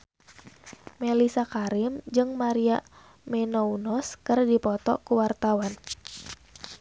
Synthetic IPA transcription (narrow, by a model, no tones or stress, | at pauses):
melisakaɾɪmd͡ʒɨŋmaɾia | mɛnɔunɔskɨrdipɔt̪ɔ̰kuwart̪awan